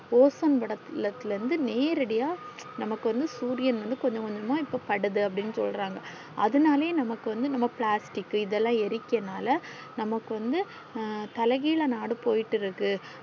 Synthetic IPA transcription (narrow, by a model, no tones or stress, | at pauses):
oːsɐnʋɐɽɐt̪ːɪlɐt̪ːɪlɐɾɯnd̪ɯneːɾɐɽɐjaː | nɐmɐkːɯʋɐnd̪ɯsuːɾɪjɐnʋɐnd̪ɯkɔɲd͡ʒɐ̃kɔɲd͡ʒɐmãːɪpːoːpɐɽɯðɯɐp̬ːɐɽɪnːɯsɔ̰lɾaːŋɡɐ | ɐðɯnaːleːnɐmɐkːɯʋɐnd̪ɯnɐmːɐpɭaːsʈɪkːɯɪðɛlːãːɛɾɪkːɐnaːlɐ | nɐmɐkːɯʋɐnd̪ɯ | t̪ɐlɐɣiːɭɐnaːɽɯpoːjɪʈːɪɾɯkːɯ